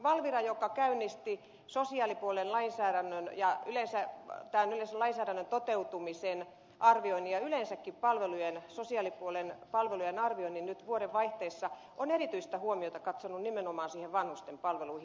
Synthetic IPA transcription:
ʋɑlʋirɑjokɑkæynːist̪i | sosiɑːlipuolenlɑinsæːɾænːønjɑylensæt̪ænylensælɑinsæːɾænːønt̪ot̪eut̪umisen | ʔɑrʋioinijɑylensækːippɑlʋelujensosiɑːˑlipuolenpɑlʋelujenɑrʋioinːinnyt̪ʋuoɾeʋʋɑiht̪eːsːɑ | ʔonerit̪yist̪æhuomiot̪ɑkɑt̪sonunnimenomɑːnsiːheʋʋɑnhust̪empɑlʋeluihi

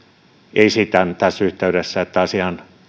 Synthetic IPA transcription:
ʔeisit̪ænt̪æsːyht̪eyɾesːæet̪ːæɑsiɑn

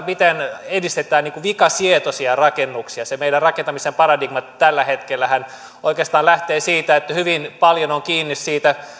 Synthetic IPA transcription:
mit̪enedist̪et̪æːnniːŋkuʋikɑsiet̪osiɑrɑkenːuksiɑsemeidærrɑkent̪ɑmisempɑrɑdiɡmɑt̪ælːæhet̪kelːæhæn | oikeːst̪ɑːnlæht̪eːsiːt̪æet̪ːæhyʋinpɑljonoŋkiːnːissiːt̪æ

